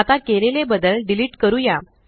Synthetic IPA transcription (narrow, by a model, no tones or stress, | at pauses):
at̪akelelebəd̪əlɖiliːʈkəɾuːja